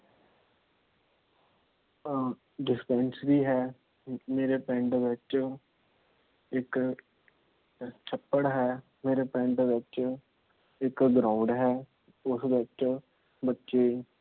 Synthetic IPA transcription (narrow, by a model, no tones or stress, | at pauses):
ɖɪspɛ̃nsɾiːɦɛː | meːɾepɛ̃ːɳɖʋɪt͡ʃ | ɪk | t͡ʃʰəpːəɽɦɛː | meːɾeːpɛ̃ːɳɖʋɪt͡ʃ | ɪkɡɾãːʊ̃ɳɖɦɛː | ʊsbɪt͡ʃ | bətːʃeː